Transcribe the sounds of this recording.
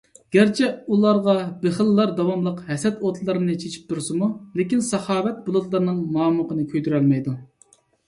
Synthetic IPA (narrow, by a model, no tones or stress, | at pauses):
ɡ̥ʲæɾt͡ʃʰɛulˠɑɾʁɑbeχəlːɑɾd̪ɑwɑmlˠəqhɛsɛt̪ot̪lˠɨɾɨnɨt͡ʃʰet͡ʃʰi̥p̚t̪ʰuɾsɨmulekʲinsɑχɑːwɛt̪̚bolˠʊt̪lˠəɾnɨŋmɑːmuqʰənɨkʲʰøjd̪yɾɛlmɛjd̪u